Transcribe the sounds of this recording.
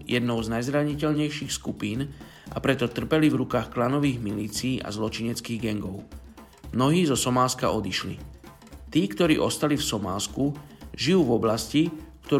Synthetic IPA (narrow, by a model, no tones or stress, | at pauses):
jɛd̪̚nɔʊznajzɾaɲicɛlɲɛjʃiːxskupiːn | ʔa̰pɾɛt̪ɔt̪r̩pɛlivɾukaːxklanɔʋiːɣmiliːt͡siːʔa̰zlɔt͡ʃiɲɛt͡skiːɣɡɛŋɡɔʊ | mnɔɦiːzɔsɔmaːska̰ʔɔd̪iʃlḭ | t̪iːkt̪ɔɾḭːʔɔst̪alifsɔma̰ːskuʒijuːvɔblascikt̪ɔ